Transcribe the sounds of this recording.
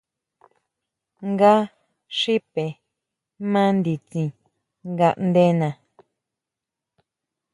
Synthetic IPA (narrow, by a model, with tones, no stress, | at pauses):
ŋɡa˦ | ʂi˦pe˨ | mã˦nd̪i˨t͡ʃĩ˧ | ŋɡa˧˨ʔnd̪e˦nã˨